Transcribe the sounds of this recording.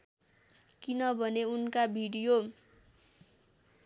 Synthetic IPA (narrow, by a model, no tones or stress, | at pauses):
kinʌbʱʌneunkabʱiɽijo